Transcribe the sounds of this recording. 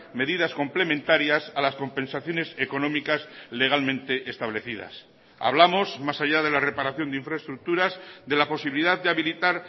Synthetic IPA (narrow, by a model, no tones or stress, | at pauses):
me̞ðiðasko̞mple̞mẽnt̪aɾjasalasko̞mpẽ̞nsaθjo̞ne̞seko̞nõmikasle̞ɣ̞almẽ̞nt̪e̞ʔest̪aβle̞θiða̰s | a̰β̞lamo̞zmasaʝaðe̞lare̞paɾaθjo̞nd̪eiɱfɾaest̪ɾuk̚t̪uɾazðe̞lapo̞siβiliðaðd̪eaβilit̪aɾ